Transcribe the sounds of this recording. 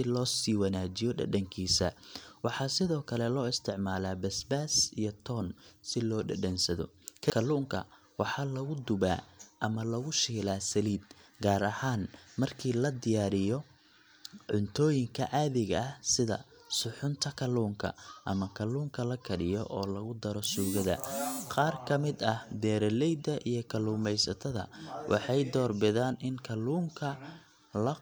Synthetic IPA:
ɪlɔːsiːwɐnaːt͡ʃɪjɔɖɐ̰ɗɐŋkʰiːsɐwɑħɑːsɪðɔːkʰɐlɛlɔːɪst̪ʰɪʕmaːlaːbɐsbaːsijɔt̪ʰɔːnsɪlɔːɖɐ̰ɖɐnsɐðɔ̰ | kʰɐkʰɐluːŋkʰɐ̰ | wɑħɑːlɐɣʊd̪ʊβa̰ːʔɐmɐlɐɣʊʃiːlaːsɐliːd̪̚ɡaːɾɐhaːnmɐrkʰiːlɐd̪ɪjaːɾɪjɔ | ʕʊnt̪ʰɔːjɪŋkʰɐ̰ʔaːðɪɣɐɐhsɪðɐ̰ | sʊħʊnt̪ʰɐkʰɐluːŋkʰɐ̰ʔɐmɐkʰɐluːŋkʰɐlɐkʰɐɽɪjɔʔɔːlɐɣʊd̪ɐɾɔsuːɣɐðɐ̰qɑːrkʰɐmɪd̪ɐhd̪ɛːɾɛlɛjd̪ɐʔijɞkʰɐluːmɛjsɐt̪ʰɐðɐ̰wʔɑ̰ħɑjd̪ɔːrbɪðaːnɪnkʰɐluːŋkʰɐ | lɐ

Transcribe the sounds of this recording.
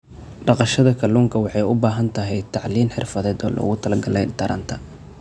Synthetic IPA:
ɖɑqɑʃɐðɐkʰɐluːŋkʰɐwɑħɑjʊbaːɦɐnt̪ʰɐɦɛjt̪ʰɑʕliːmħɪ̰rfɐðɛːd̪ɔ̰ːlɔ̰ʊ̰ɣʊt̪ʰɐlɐɡɐlɛjt̪ʰɐɾʔɐ̰nt̪ʰɐ

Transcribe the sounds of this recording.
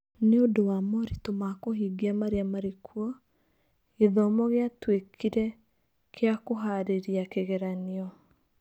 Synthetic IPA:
neodowamɔɾitomakoɦiːɡiamaɾeamaɾekʰwɔ | eðɔmɔɣeatwekʰiɾɛ | kʰeakoɦaɾeɾiakeɣɛɾaniɔ

